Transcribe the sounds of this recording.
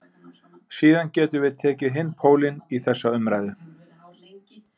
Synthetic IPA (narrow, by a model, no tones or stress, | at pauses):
siːðancɛːt̪ʏvɪðt̪ʰɛːcɪɦɪnːpʰoːwlɪniθɛsːaʏmɾaːjðʏ